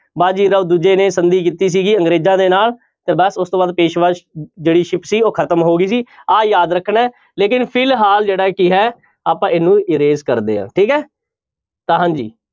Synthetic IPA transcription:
baːd͡ʒiːɾəd̪uːd͡ʒeːnẽːsənd̪iːk̬iːt̪iːs̬iːɡiːəŋɡɾeːzãːd̪eːnaːl | t̪ẽːbəsʊst̪õːbaːd̪̚peːʃʋaːʃd͡ʒeːɽiːʃɪpʰsiːoːkʰət̪əmɦoːɡiːsiːaːjaːd̪ɾəkʰːɳɛː | leːkɪnpʰɪlɦaːld͡ʒeːɽaːkiɦɛː | aːpãːɪnũːɪɾeːzkəɾd̪ḛːã̰ːʈʰiːkɛː | t̪aːɦãːɲd͡ʒḭː

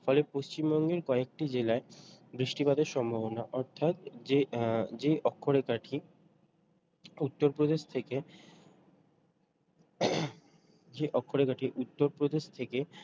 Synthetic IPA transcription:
fɔlepoʃt͡ɕimbɔŋɡeɾkɔek̚ʈid͡ʑelaebɾiʃʈibad̪eɾʃɔmbʱabonaʔɔɾt̪ʰat̪d͡ʑed͡ʑeʔɔkʰːoɾekaʈʰi | ut̪ːoɾpɾod̪eʃt̪ʰeke | d͡ʑeʔɔkʰːoɾekaʈʰiʔut̪ːoɾpɾod̪eʃt̪ʰeke

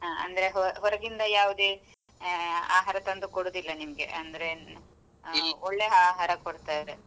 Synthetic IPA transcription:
ɦaːɐ̰nd̪ɐɾeɦɔɦɔɾɐɡind̪ɐjaːʋud̪eː | a̰ːɦaːɾɐt̪ɐnd̪ukoɽuːd̪ilːɐnimɐɡe̞̰ʔɐnd̪ɐɾe̞ | ɔɭːeaːɦaːɾɐkoɽt̪aːjɐɾe

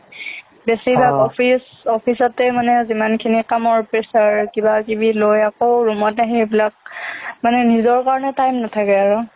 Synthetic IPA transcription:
besibʱakɔpʰis | ɔpʰisɔtɛmanɛzimankʰinikamɔɹpɹesaɹkibakibilojakowɹumɔtaɦiebilak̚manɛnizɔɹkaɹɔnɛtajmnatʰakɛaɹu

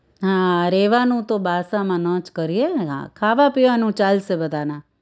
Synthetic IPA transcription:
ɦãɾeːʋanũt̪obʱaːsãmãːnə̃ːt͡ʃkəɾieɦã̰kʰaːʋapiʋanũːt͡ʃaːlsebəd̪ʱaːna

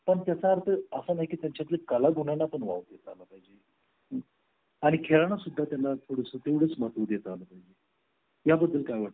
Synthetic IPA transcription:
pəɳt̪jat͡saːɾt̪ʰəəsənaɦikiːt̪jaɲt͡ɕat̪lekəlaɡʱuɳanːapəɳʋa̰wd̪jet̪əalapaɦid͡ʑe | ɦ | aɽ̃ikʰeɭaɳ̃asud̪ʱːat̪janːat̪ʰoɽəsət̪eʋɽəːt͡smət̪əd̪jet̪əalapaɦid͡ʑe | jabəd̪ʱːəlkajʋəʈ̪

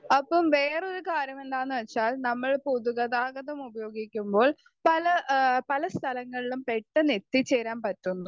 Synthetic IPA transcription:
ɐpːɐmʋe̞ːro̞ɾukaːɾjɐme̞nd̪aːnːɨʋet͡ɕːaːlnɐmːɐɭpuðuɣɐðaːɡɐðɐmubɐjo̞ːɡikʲːumbo̞ːɭ | pɐlɐpɐlɐst̪ʰɐlɐŋːɐɭilumpe̞ʈːɨnet̪ːit͡ɕːe̞ːɾaːnpɐtːunːu

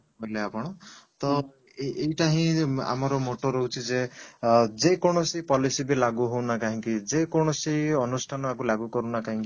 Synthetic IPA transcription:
ɦɔjleapɔɽ̃ɔt̪ɔ | ejʈaɦĩa̰mɔɾɔmoʈoɾoɦut͡ʃʰid͡ʒe | d͡ʒekɔɽ̃ɔsipɔlisibelaɡuɦownakaɦĩkid͡ʒekɔɽ̃ɔsiɔnusʈʰanɔakulaɡukɔɾunakaɦĩŋki

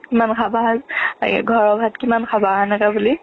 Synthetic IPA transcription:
kimankʰabazɡʱɔɹɔbʱatkimankʰabanakabuli

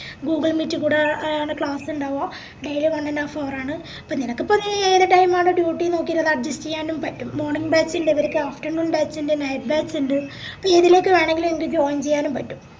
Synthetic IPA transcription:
ɡuːɡɐɭmiːtːɨkuːɽeaːɳɨkɭaːsuɳɖaːʋɐ | ɖejilɨʋɐnːɐnːaːfoːraːɳɨ | pːoːninɐkːɨpːɐnːieːðeʈɐjmaːɳɨɖjuːʈːino̞ːkːiɾɐðɐɖd͡ʑɐst͡ɕejaːnumpɐtːumːo̞ːrɳiŋɡbaːt͡ɕiɳdeiʋɐɾekʲːɨaːfʈɐrnuːnbaːt͡ɕːindenɐjp̚baːsuɳɖɨ | pːoeðile̞ːkːɨʋeːɳe̞ŋɡilumeŋɐkːɨd͡ʑo̞ːɲt͡ɕe̞jːaːnumpɐtːum

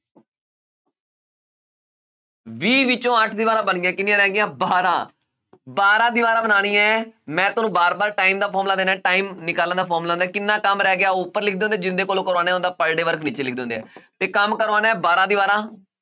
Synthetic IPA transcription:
ʋiːʋɪt͡ʃõːəʈʰd̪ɪʋaːɾãːbənɡjãːkɪnɪ̃jãːɾɛːɡɪjãːbaːɾãː | baːɾãːd̪ɪʋaːɾãːbənaːɽ̃ĩːãmɛ̃ːt̪ʊnũːbaːɾbaːɾʈaːiːmd̪aːpʰɔːɾmlaːd̪eːnaːʈaːiːmnɪkaːlãːd̪aːpʰɔːɾmlaːɦnd̪aɛːkɪnːaːkəmɾɛːɡɪaːʊpːəɾlɪk̚ʰd̪eːõnd̪eːd͡ʒɪnd̪eːkoːlõːkəɾʋaːneːõnd̪aːpəɽɖeːʋəɾkʰniːt͡ʃeːlɪkʰd̪eːõːnd̪eɛ̰ːt̪eːkəmkəɾʋaːnaːɛbaːɾãːd̪ɪʋaːɾãː

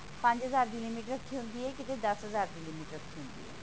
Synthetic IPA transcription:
pɐ̃ɲd͡ʒɦəzaːɾbɪlimiːʈɾəkʰːiɦõnd̪iɦɛːkɪt̪ẽd̪ɐsɦəzaːɾbɪlimiːʈɾɐkʰːiɦʊ̃ːnd̪ḭɦɛ̰ː

